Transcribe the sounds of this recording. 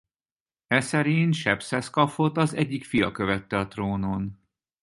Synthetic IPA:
ɛsɛɾint̪ʃɛpsɛskɒfot̪ɒzɛɟːikfijɒkøvɛt̪ːɛɒt̪roːnon

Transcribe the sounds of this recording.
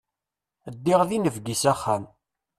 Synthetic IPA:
əd̪ːiʁðinəvɡisæχːæm

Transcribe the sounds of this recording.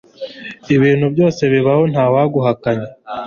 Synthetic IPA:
iβiːnhubjo̞ːse̞βiβaho̞n̥haːwaɡuɦakaɲe

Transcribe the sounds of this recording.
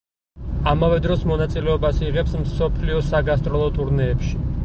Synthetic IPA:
amavɛd̪ɾɔsmɔnat̪sʼilɛɔbasiʁɛpsmsɔpʰliɔsaɡast̪ʼɾɔlˠɔt̪ʼuɾnɛːpʃi

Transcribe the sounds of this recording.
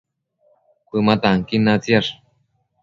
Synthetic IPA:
kʷɨmat̪aŋkinat͡siaʂ

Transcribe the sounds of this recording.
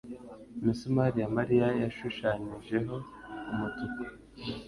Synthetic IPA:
misumaɾijamaɾijajaʃuʃaɲiʒe̞ɦo̞ | umutuku̥

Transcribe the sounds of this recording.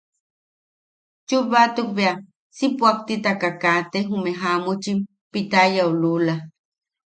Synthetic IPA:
t͡ʃuβat̪uk̚bea | sipuak̚t̪it̪akakat̪eɦumeɦamut͡ʃim | pit̪ajaulula

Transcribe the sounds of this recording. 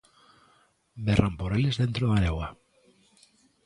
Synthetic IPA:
berʔampoɾelezðent̪ɾoðaɾewa

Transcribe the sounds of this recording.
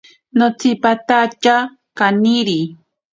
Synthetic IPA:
not͡sipat̪at͡ʃa | kaniɾi

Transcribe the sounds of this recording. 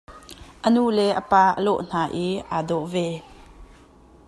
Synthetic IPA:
ʔənuːlɛʔəpaːʔəlɔ̰ʔn̥aːʔiʔaːdɔʔvɛ

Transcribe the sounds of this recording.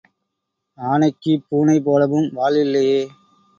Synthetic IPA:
aːnɐɪkːipuːnɐɪp̬oːlɐʋɯmʋaːlɪlːɐjeː

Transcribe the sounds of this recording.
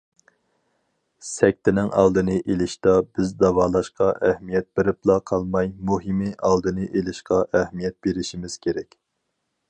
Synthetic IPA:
sɛk̚ʲt̪ʰɪnɪŋɑ̰lˠd̪ɨnɨʔelɪʃt̪ɑbɪzd̪ɑvɑːlˠɑʃqɑʔɛhmijɛt̪̚bɪɾɪplˠɑqʰɑlˠmɑjmuɦimiʔɑlˠd̪ɨnɨʔelɪʃqɑʔæhmijɛt̪̚beɾɪʃimɪz̥kʲʰeɾɛkʲ

